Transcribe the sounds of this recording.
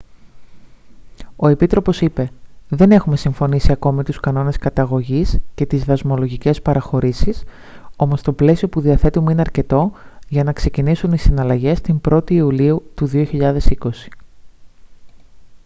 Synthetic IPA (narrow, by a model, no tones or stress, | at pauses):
o̞e̞pit̪ɾo̞po̞sipe̞ðe̞ne̞xume̞siɱfo̞nisiɐko̞mit̪uskɐno̞ne̞skɐt̪ɐɣo̞ʝisce̞t̪izðɐzmo̞lo̞ʝice̞spɐɾɐxo̞ɾisis | o̞mo̞st̪o̞ple̞sio̞puðiɐθe̞t̪umeineɐɾce̞t̪o̞ʝɐnɐkse̞cinisunisinɐlɐʝe̞st̪imbɾo̞t̪iːuliut̪uðio̞çiʎɐðe̞siko̞si̥